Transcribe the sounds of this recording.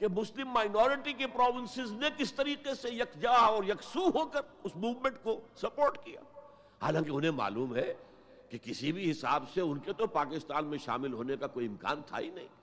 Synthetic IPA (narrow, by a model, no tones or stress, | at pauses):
kemʊslɪmːaːɪnɔːɾɪʈik̬epɾɔːʋɪ̃nsɪznekɪst̪ɐɾiːqesejɐkd͡ʒaːɔːɾjɐksuɦoːkɐɾ | ʊsmuːʋmẽɳʈkosɐpoːɾʈkija̰ː | ha̰ːlãːkeʊnɦẽma̰ːluːmɦɛ | kekɪsibʱiɦɪsaːbseʊnket̪opaːkɪst̪aːnmẽʃa̰ːmɪlɦoːnekakoːiɪmka̰ːnt̪ʰa̰ːḭnɐɦḭ̃ː